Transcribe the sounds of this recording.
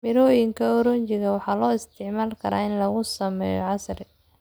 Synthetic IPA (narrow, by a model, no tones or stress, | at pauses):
mɪɾɔːjɪŋkʰɐɔɾɔnt͡ʃɪɣɐwɑħɑːlɔːɪst̪ʰɪʕmaːlkʰɐɾa̰ːɪnlɐɣʊsɐmɛ̰ːjɔ̰ʕɑsrɛ